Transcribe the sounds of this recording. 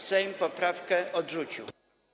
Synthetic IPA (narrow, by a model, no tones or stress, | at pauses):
sɛjmpɔpɾafkɛʔɔdʐut͡ɕiw